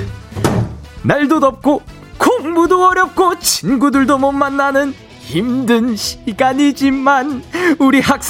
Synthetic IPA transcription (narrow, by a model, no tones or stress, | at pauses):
naɭdonʌp̚k͈o | koŋmudoʌɾjʌp̚k͈ot͡ɕʰinɡudɯɭdomʌmːanːanɯn | imdɯnɕʰiɡaɲid͡ʑimanuɾiɦak̚s͈